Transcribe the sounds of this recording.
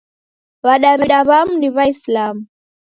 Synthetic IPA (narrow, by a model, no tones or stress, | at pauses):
βaɗaβɛɗaβamundiβaislamu